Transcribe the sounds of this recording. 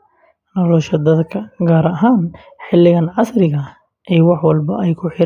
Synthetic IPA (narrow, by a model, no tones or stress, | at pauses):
nɔlɔʃɐd̪ɐd̪kʰɐɡaːɾɐɦaːn | ħɪlːɪɣɐnʕɑsɾɪɣɐ | ʔɛjwɑħwɑlbɐ̰ʔɛjkʰʊħɪ